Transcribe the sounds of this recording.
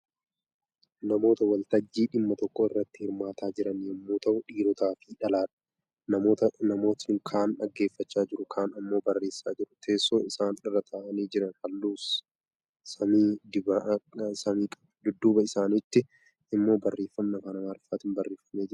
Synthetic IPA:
nɐmo̞ːt̪ɐwɐlt̪ɐd͡ʒːiːᶑɪmːɐt̪ɔkːoːɪrːɐt̪ːɪ̥hɪɾmaːt̪aːd͡ʒɪɾɐniɐmːuːt̪ɐʔʊᶑiːɾɔt̪aːfiᶑɐlaːᶑɐ̥ | nɐot̪nɐmo̞ːt̪ɪŋkʰaːnᶑɐ̰ɡːe̞ːfːɐt͡ʃːaːd͡ʒɪɾʊkʰaːnɐmːo̞ːbɐrːe̞ːsːaːd͡ʒɪɾʊt̪ʰe̞ːsːoːɪsaːnɪrːɐt̪ʰaːʔɐniːd͡ʒɪɾɐnhɐlːuːs | sɐmiː | sɐmiːkʼɐ | d̪ʊd̪ːuːbɐɪsaːnɪt̪ːɪ | ɪmːo̞ːbɐrːe̞ːfːɐmnɐkɐːnɐmaːɾfaːt̪ɪnbɐrːe̞ːfɐmeːd͡ʒɪɾʊ̥

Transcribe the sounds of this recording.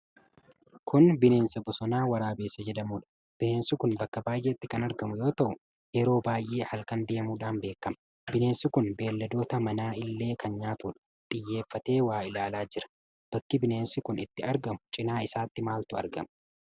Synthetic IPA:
kʊnbɪne̞ːnsɐbɔsɔnaːwɐɾaːbeːsːɐd͡ʒɛd̪ɐmuːᶑɐ̥ | b̥ɪne̞ːnsɪkʊnbɐkːɐbaːjʔeːɪt̪ːɪkɐnɐɾɡɐmʊjo̞ːt̪ɐʔʊ | jɛɾo̞ːbaːjʔe̞ːhɐlkɐnd̪e̞ːmuːᶑaːnbe̞ːkːɐmɐ | bɪne̞ːnsɪkʊnbe̞ːlːɐd̪o̞ːt̪ɐmɐnaːɪlːe̞ːkɐnɲaːt̪uᶑɐ̥ | t̪ʼɪjːe̞ːfːɐt̪e̞ːwaːɪlaːlaːd͡ʒɪɾɐ̥ | b̥ɐkːɪbɪneːnsɪkʊnɪt̪ːɪɐɾɡɐmʊ̥t͡ʃʼɪnaːɪsaːt̪ːɪmaːlt̪ʊɐ̰ɾɡɐ̰mɐ

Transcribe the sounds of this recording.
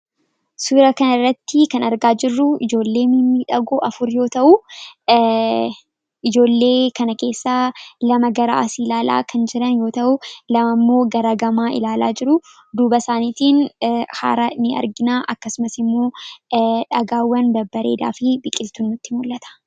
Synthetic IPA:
suːɾɐkɐnɐrːɐt̪ːɪkɐnɐɾɡaːd͡ʒɪrːʊɪd͡ʒo̞ːlːe̞ːminːiᶑɐɡoːʔɐfʊɾjo̞ːt̪ɐʔʊ | ɪd͡ʒo̞ːlːe̞ːkɐnɐke̞ːsːaːlɐmɐɡɐɾa̰ːsilaːla̰ːkʰɐnd͡ʒɪɾɐnjo̞ːt̪ɐʔʊlɐmɐmːo̞ːɡɐɾɐɡɐmaːɪ̰laːla̰ːd͡ʒɪɾʊ | d̪uːbɐsaːniːt̪iːnha̰ːɾɐnɪɐ̰ɾɡɪnaːʔɐkːɐsʊmɐsɪmːo̞ː | ᶑɐɡaːwːɐnd̪ɐbːɐɾe̞̰ːd̪a̰ːfɪbɪkʼɪlt̪unːʊt̪ːɪmʊlːɐt̪ɐ̥

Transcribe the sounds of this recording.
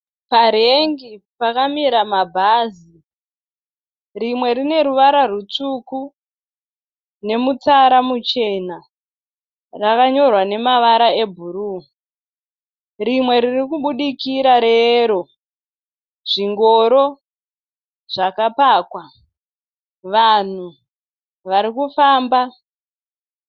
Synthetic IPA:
paɾeŋɡipakamiɾamabʱaːzi | rimwe̞ɾine̞ɾuʋaɾarut͡suku | ne̞mut͡saɾamut͡ʃe̞na | rakaɲo̞rwane̞maʋaɾaebʱuɾuː | rimwe̞ɾirikuɓuɗikiɾaɾeɾo̞ | ʐiŋɡo̞ɾo̞ | ʐakapaːkwa | ʋan̤u | ʋaɾikufaːmba

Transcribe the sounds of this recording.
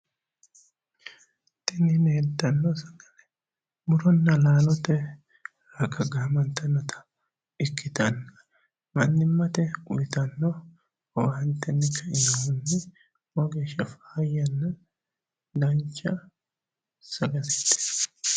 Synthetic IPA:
t̪ɪnɪnhɛd̪ːɐnːɔsɐɡɐlɛ | mʊɾɔnːɐlaːlɔt̪ɛ | ɾɐkɐɡɐmɐnt̪ːɐnːɐt̪ʰɐ̥ | ɪkːɪt̪ɐnːɐ | mɐnːɪmːɐt̪ɛʊjt̪ɐnːɔ | wɐnt̪ːɛnːɪkʰːɐʔɪnɐwʊnːɪ | wɐɡeːʃɐfaːjːɐnːɐ | d̪ɐnt͡ʃːɐ | sɐɡɐtɛ̥t̪ːɛ̥

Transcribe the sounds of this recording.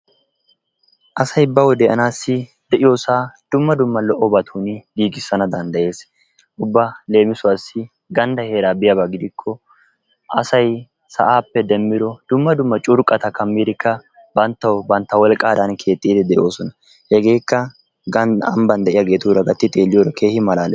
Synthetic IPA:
ʔɐsɐjbɐwɔd̪ɛʔɐnaːsːɪd̪̥ɛʔɪjoːsaːd̪̥ʊmːɐd̪ʊmːɐlɔʔːɔbɐt̪ʰuːnɪɡiːɡɪsːɐnɐd̪ɐnd̪ɐje̞ːs | ʔʊbːɐle̞ːmɪsʊwɐsːɪ | ɡɐnd̪ɐhe̞ːɾaːbɪjɐbɐɡɪd̪ɪkʰːɔ | ʔɐ̰sɐj | sɐ̰ʔaːpːɛd̪ɛmːɪd̪ɔd̪̥ʊmːɐd̪ʊmːɐt͡ʃʼʊɾkʼːɐt̪ɐkɐmːid̪ɪkːɐ | bɐnt̪ːɐwbɐnt̪ːɐwɔlkʼːaːd̪ɐnkʰe̞ːt̪ʼːiːd̪ɪd̪ɛʔo̞ːsɔnɐ | hɛɡe̞ːkːɐ | ɡɐɐ̰mbɐnd̪ɛʔɪjaɡe̞ːt̪uɾɐɡɐt̪ːɪt̪ʼeːlːɪjoːɾɐkʰe̞ːhɪmɐlaːlɛ

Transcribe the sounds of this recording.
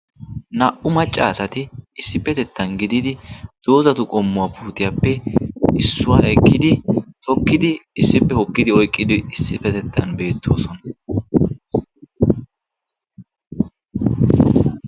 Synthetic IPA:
nɐʔʊmɐt͡ʃʼːa̰ːsɐt̪ɪɪsːɪpːɛt̪ɛt̪ʰːɐnɡɪd̪ɪd̪ɪd̪̥o̞ːzɐt̪ʊkʼɔmːʊwaːpʰuːt̪ɪjapːɛɪsːʊwaɛkːɪd̪ɪt̪ɔkːɪd̪ɪɪsːɪpːɛhɔkːɪd̪ɪɔjkʼːɪd̪ɪɪsːɪpːɛt̪ɛt̪ʰːɐnbe̞ːt̪ʰːoːsɔnɐ̥

